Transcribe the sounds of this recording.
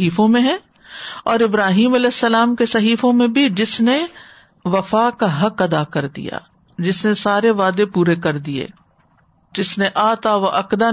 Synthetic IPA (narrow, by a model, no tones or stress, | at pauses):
iːfõmẽɦɛ̃ | ɔːɾɪbɾaːɦiːmɐlɛːɪsːɐlaːmkesɐɦiːfõmẽbʱid͡ʒɪsne | ʋɐfaːkaɦɐkɐd̪aːkɐɾd̪ḭja̰ː | d͡ʒɪsnesaːɾeʋaːd̪epuːɾekɐɾd̪iḛː | d͡ʒɪsneʔaːt̪aʋaʔɐkd̪a